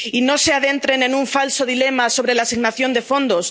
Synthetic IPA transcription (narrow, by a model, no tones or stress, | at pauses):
ino̞se̞aðe̞nt̪ɾe̞ne̞nuɱfalso̞ðile̞maso̞βɾe̞lasiɣnaθjo̞nd̪e̞fo̞nd̪o̞s